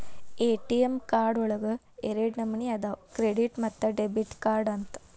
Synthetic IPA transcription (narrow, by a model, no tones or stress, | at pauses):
eːʈijemkaːɾɖɔɭɐɡɐ | eɾeɖnɐmːɐniɐd̪akɾeɖiʈmɐt̪ːɐɖebiʈkaːɾɖɐnt̪ɐ̥